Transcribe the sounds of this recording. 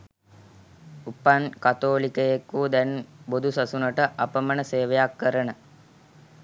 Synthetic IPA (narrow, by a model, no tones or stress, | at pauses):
upankat̪oːlikəjekuːd̪ɛnbod̪ʱusasunəʈəʔapəmənəseːʋejakːəɾənə